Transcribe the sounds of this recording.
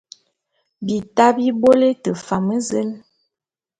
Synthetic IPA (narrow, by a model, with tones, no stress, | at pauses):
bi˨ta˦bi˦bo˦le˦tə˨fa˨mə˦zə˦l